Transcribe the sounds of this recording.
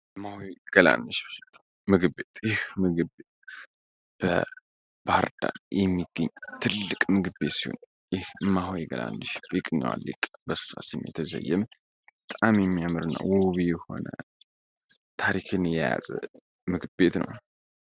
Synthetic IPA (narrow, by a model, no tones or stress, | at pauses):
mːahojɡ̥əla̰nːɨʃ | mɨɡɨbet̪jɪhmɨɡɨbet̪ | b̥ə | b̥aɾd̪aljɛmːiɡ̥ːəɲːt̪ʰɨlːɨkʼmɨɡɨbe̞t̪sihon | jɪhmaɦojɡəlanːɨʃbikʼɲːwa̰lːḭkʼbəsɨ̥asimjɛ̰t̪ʰəzə̰jːɛm | bət̪ʼamjɛmːijamɨɾɨnːa̰woβijɛho̞̰nə | t̪ʰaɾikʰɨnjɛjazʼə | mɨɡɨbet̪nə̰w